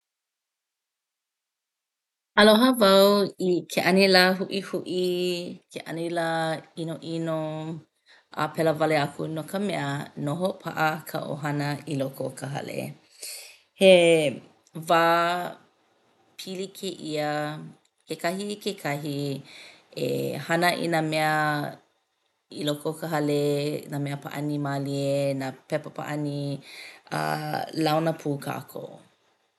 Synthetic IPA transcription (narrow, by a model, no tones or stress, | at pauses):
ɐloɦəvɐwikʰeʔɐnilaɦuʔihuʔikʰeʔɐnilainoʔino | ʔa̰pʰɛləvɐleɐkʰunokəmɛənoɦopʰa̰ʔəkʰə̰ʔo̰ɦɐnəilokokʰəɦɐ̰lḛ | he | vaː | pʰilikʰeʔiə | kekɐhikekʰɐɦi | ḛhɐnəʔḭnamɛə | ilokokəɦɐlenamɛəpa̰ʔɐnimalienapɛpəpa̰ʔɐni | ɐ̰lawnəpʰuːkʰa̰kʰo̰